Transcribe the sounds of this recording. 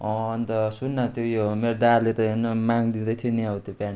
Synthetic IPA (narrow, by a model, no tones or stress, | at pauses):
ʌ̃ːnt̪ʌsunːʌt̪jojomeɾod̪arlet̪ʌenʌmaŋd̪id̪ʌt̪ʰiniʌwt̪jopan